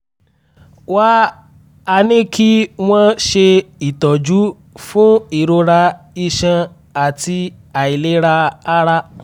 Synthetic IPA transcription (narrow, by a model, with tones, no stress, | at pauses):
wa˦ | a˧nĩ˦ki˦w̃ɔ̃˦ʃe˧i˨tɔ˨d͡ʒu˨˦ | fũ˦i˦˨ɾo˧ɾa˧ | i˧ʃã˧ | a˨ti˧ | a˨i˨le˨˦ɾa˧a˦ɾa˦